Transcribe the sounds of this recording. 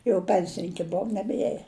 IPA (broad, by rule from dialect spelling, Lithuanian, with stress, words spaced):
jɛʊ ˈpʲɛnʲsʲɪnʲɪŋʲkʲɪ ˈboːw nʲɛbʲˈiɛjɛ